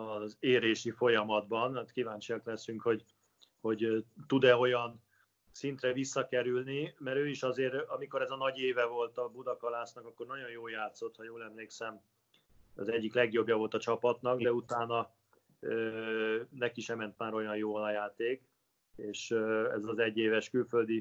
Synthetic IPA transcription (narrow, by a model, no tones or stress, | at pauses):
ɒzeːɾeːʃifo̞jɒmɒd̪̚bɒnat̪kivaːɲt͡ʃijɒklɛsyŋkho̞ɟ | ho̞ɟt̪ud̪ɛo̞jɒn | sint̪rɛvisːɒkɛɾylnimɛɾøːiʃɒzeːɾɒmiko̞ɾɛzɒnɒɟeːvɛvo̞lt̪ɒbud̪ɒkɒlaːsnɒkɒkːo̞rnɒɟo̞njoːljaːt̪so̞t̪hɒjoːlɛmleːksɛm | ɒ̰zɛɟːiklɛɡjo̞bjɒvo̞lt̪ɒt͡ʃɒpɒt̪nɒɡd̪ɛut̪aːnɒ | øːnɛkiʃɛmɛnt̪maːɾo̞jɒnjoːlɒjaːt̪eːk | eːʃɛ̰zɒzɛɟːeːvɛʃkylfø̞ld̪i